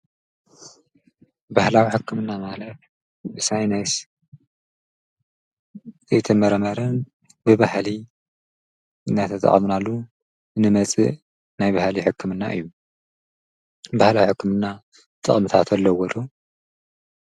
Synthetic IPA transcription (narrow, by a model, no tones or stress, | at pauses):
bahlawiħɨkʰːɨmɨnːamalɐt̪ | ɨsajnajs | zɐjt̪ʰɐmɐɾɐmɐɾɐn | bɨβahli | ɨnːat̪ʰɐt̪ʼɐ̰χʼmnalːu | nɨmɐt͡sʼḭʔ | najβahliħɨkʰːɨmɨnːa̰ʔɨ̰jːu | bahlawiħɨkːɨmɨnːa | t̪ʼɨ̰χʼmt̪ʰat̪ʰɐlːɐwɔlu